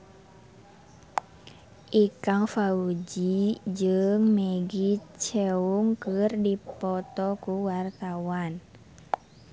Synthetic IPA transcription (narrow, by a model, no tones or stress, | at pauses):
ʔikaŋfaud͡ʒid͡ʒɨŋmɛɡit͡ʃɛuŋkɨrdipɔt̪ɔkuwart̪awan